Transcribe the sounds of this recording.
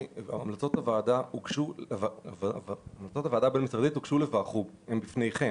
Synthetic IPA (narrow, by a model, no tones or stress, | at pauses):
a̰amlat͡so̞tavaːdaukʃuaavmlat͡so̞t̪avad̪abe̞nmisʁad̪it̪ukʃulevaːχubembifne̞jχe̞